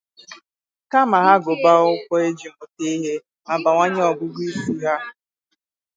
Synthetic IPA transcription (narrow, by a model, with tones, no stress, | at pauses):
ka˦ma˨ɦa˦ɡʊ˨ba˦ʊ˦kʷɔ˦e˦d͡ʒi˨ŋʊ˨te˦i˦ɦe˦ | a˨ba˨ŋʷa˦ɲe˦ɔ˨ɡʊ˦ɡʷi˦si˦ɦa˦˨